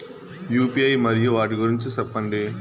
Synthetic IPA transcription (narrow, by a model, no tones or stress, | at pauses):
juːpiɐjmɐɾɪjuʋaːʈ̬ikuɾiɲt͡ʃɯsɐpːɐɳɖeː